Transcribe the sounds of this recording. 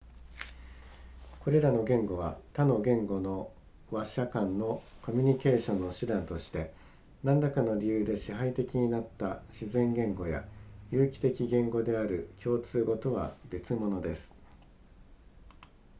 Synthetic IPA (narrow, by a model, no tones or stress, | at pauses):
ko̞ɾe̞ɾano̞ɡẽ̞ŋɡo̞β̞at̪ano̞ɡẽ̞ŋɡo̞no̞ | βaɕakãnːo̞ko̞mʲiɲ̟ike̞ːɕõ̞nːo̞ɕɨd̪ãnt̪o̞ɕi̥t̪e̞ | nãnd̪akano̞ɾʲijɯːd̪e̞ɕiɦait̪e̞kʲiɲ̟inat̪ːaɕizẽ̞ŋɡẽ̞ŋɡo̞ja̰jɯːkʲi̥t̪e̞kʲiɡẽ̞ŋɡo̞d̪e̞aɾɯ̟kʲo̞ːt͡sɨːɡo̞t̪o̞βa̰be̞t͡sɨmo̞no̞d̪e̞sɨ̥